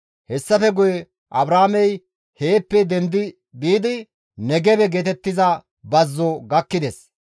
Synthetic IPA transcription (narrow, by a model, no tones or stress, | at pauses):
hɛsːɐfɛɡʊjɛ | ʔɐbɾaːmɛj | he̞ːpːɛd̪ɛnd̪ɪ | biːd̪ɪ | nɛɡɛbɛɡeːt̪ɛt̪ːɪzɐ | bɐzːɔɡɐkːɪd̪es